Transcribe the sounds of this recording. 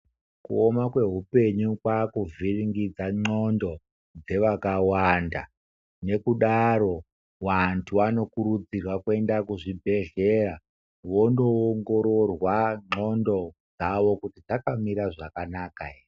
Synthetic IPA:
kṵomakwe̞ɦupe̞ɲukwakuvʱiriŋɡid͡zaŋ͡ǃo̞ndo̞ | d͡ze̞ʋakawanda | ne̞kuɗaɾo̞ | ʋantʰuano̞kuɾud͡zirwakwe̞ndakuʐibʱe̞ɮe̞ra | ʋo̞ndo̞ːŋɡo̞ɾorwaŋ͡ǃo̞ndo̞d͡zaʋo̞kutid͡zakamiɾaʐakanaka

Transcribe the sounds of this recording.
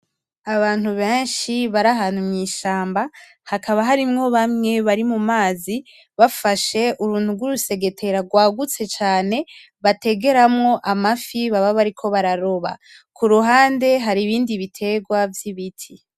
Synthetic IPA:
aβaːn̥huβe̞ːnʃiβaɾaɦaːn̥humŋiːʃaːmba | hakʰaβaɦaɾimŋo̞βamŋe̞βaɾimumaːzi | βafaʃe̞ʔuɾuːn̥huɡwuɾuse̞ɡe̞tʰe̞ɾaɡwaːɡut͡se̞t͡ʃaːne̞ | βate̞ɡe̞ɾamŋo̞ʔamafiβaβaβaɾikʰo̞βaɾaɾo̞βa̰ | kʰuɾuɦaːnde̞ɦaɾiβiːndiβitʰe̞ɡwavjiβitʰi

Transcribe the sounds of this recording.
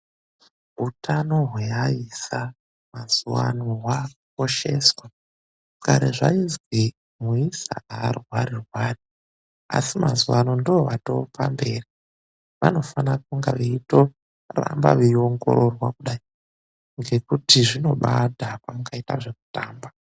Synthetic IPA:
utʰano̞ɦweaisa | mazuwa̰nowakko̞ʃe̞swa | kaɾeʐainzɡi | muisa̰arwaɾirwaːri | a̰simazuwano̞ndooʋato̞̰pa̰mbe̞ːri | ʋano̞fanak̚uŋɡaʋiito̞ | ra̰mba̰ʋio̞ŋɡo̞̰ʔo̞rwakuɗai | ŋɡe̞kutiʐino̞ɓadʱapamukaita̰ʐeku̥taːmba

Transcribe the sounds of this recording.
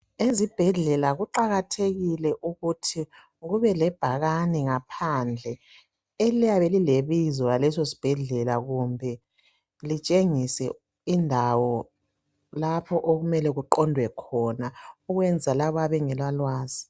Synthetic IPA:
ezib̥ʱɛɮɛlaɣuǃaɣatʰeɣilɛʔuɣutʰi | ɣuβɛlɛb̥ʱaɣanɛŋapʰand͡ɮʱɛ | elijaβelileβizɔjalɛsosi̥b̥ʱɛɮɛlaɣumbʱɛ | lit͡ʃʼeŋisɛ | indʱawɔ | lapʰɔʔoɣumɛlɛɣuǃɔndʱwɛkʰɔnauɣwɛnd͡zʱalaβɔaβɛŋɛlwalwaːzi

